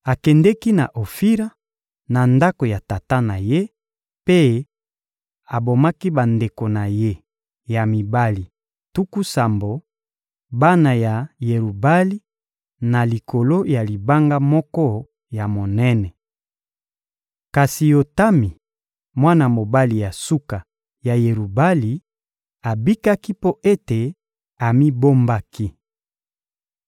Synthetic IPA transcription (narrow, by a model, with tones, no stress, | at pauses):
a˨kɛ˨ndɛ˦ki˦na˨ʔo˨fi˦ɾa˦ | na˨nda˦ko˨ja˨ta˨ta˦na˨je˦ | pe˦ | a˨bo˨ma˦ki˦ba˨nde˨ko˨na˨je˦ | ja˨mi˨ba˦li˨ | tu˦ku˦sa˨mbo˨ | ba˦na˨ja˨je˨ʁu˨ba˦li˦ | na˨li˨ko˨lo˦ja˨li˨ba˦ŋɡa˦mɔ˦kɔ˦ | ja˨mo˨nɛ˦nɛ˨ | ka˨si˨jo˨ta˦mi˨ | mwa˦na˨mo˨ba˦li˨ja˨su˦ka˨ | ja˨je˨ʁu˨ba˦li˨ | a˨bi˦ka˦ki˦po˦ʔe˦te˨ | a˨mi˦bo˦mba˦ki˦